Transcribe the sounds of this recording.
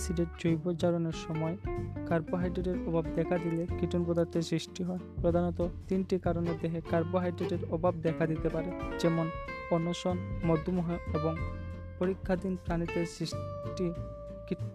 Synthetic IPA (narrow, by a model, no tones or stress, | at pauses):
siɖeʈd͡ʑojbod͡ʑaɾoneɾʃɔmɔekaɾboɦajɖɾeʈeɾɔbʱab̚d̪ɛkʰad̪ilekiʈunpɔd̪aɾt̪ʰesɾiʃʈiɦɔepɾod̪ʱanɔt̪ot̪inʈikaɾoneɾd̪eɦekaɾboɦajɖɾeʈeɾɔbʱabd̪ɛkʰad̪it̪epaɾed͡ʑɛmonɔnːoʃɔnmɔd̪ʱːumuɦeeboŋ | poɾikʰːad̪inpɾanit̪esiʃʈi | ki